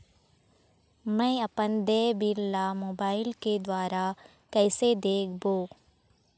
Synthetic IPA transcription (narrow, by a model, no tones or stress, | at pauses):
mɛ̃ːɐpənd̪eːbillaːmoːbaːɪlked̪waːɾa | kɛːsed̪eːkʰboː